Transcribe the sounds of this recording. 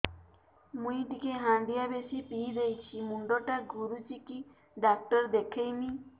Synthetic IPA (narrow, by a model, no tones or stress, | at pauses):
mũjʈikeɦãɳɖijabesipiːd̪ejt͡ʃʰimuɳɖɔʈaɡuɾut͡ʃiki | ɖak̚ʈɔɾd̪ekʰejmi